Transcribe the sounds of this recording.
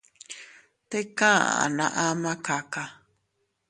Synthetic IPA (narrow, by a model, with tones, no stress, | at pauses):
t̪e˦kã˦a̰˨a̰˨nã̰˧ʔa˦mã˦ka˨ka˧